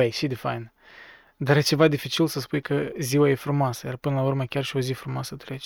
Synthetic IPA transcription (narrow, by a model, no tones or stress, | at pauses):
ejsid̪ifajn | d̪aɾjet͡ʃe̞vad̪ifit͡ʃilsəspujkəziwaje̞fɾumoasəjarpɨnəlaurməkʲarʃio̞zifɾumoasət̪ɾet͡ʃe̥